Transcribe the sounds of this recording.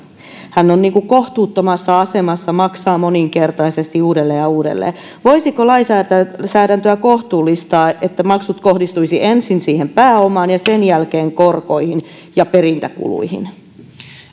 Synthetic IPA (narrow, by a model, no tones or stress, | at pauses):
hænːonniːŋkukoht̪uːt̪ːomɑsːɑɑsemɑsːɑmɑksɑːmoniŋkert̪ɑisest̪iuːdelːeːjɑuːdḛlːḛː | ʋoisikolɑisæːæsæːɾænt̪øækoht̪uːlːist̪ɑːʔet̪ːæmɑksut̪kohdist̪uisiʔensinsiːhempæːomɑːnjɑsenjælkeːŋkorkoihin | jɑperint̪ækṵlṵihḭn